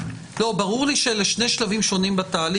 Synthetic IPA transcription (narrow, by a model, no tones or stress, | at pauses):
lo̞baʁuʁliʃeleʃne̞jʃlavimʃo̞nimbat̪aːli